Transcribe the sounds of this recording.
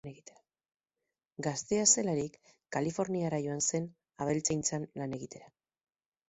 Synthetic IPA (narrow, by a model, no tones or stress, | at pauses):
neɣit̪eɾa | ɡast̪e̞ase̞laɾikː | alifo̞ɾniaɾaʝo̞anse̞n | aβe̞lt͡sajnt͡sanlane̞ɣ̞it̪e̞ɾa